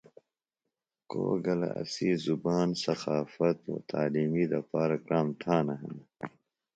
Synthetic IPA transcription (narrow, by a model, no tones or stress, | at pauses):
ko̰ːɡɐla̰ɐ̰siːzubaːnsɐxaːfɐt̪o̰ːt̪ʰaːliːmiːd̪ɐpaːɾɐkɾaːmt̪ʰaːnɐɦɐ̰n